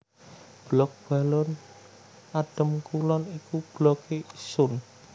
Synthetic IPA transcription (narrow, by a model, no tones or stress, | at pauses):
b̥lɔk̚b̥a̤lɔn | aɖ̥ə̤mkulɔnikub̥lɔkeisʊn